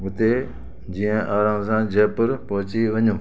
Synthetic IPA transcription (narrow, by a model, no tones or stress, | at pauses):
ʊt̪eː | d͡ʑiːə̃ʔaːɾãːmsãːd͡ʑeːpəɾpɔːɦt͡ɕiʋəɲũː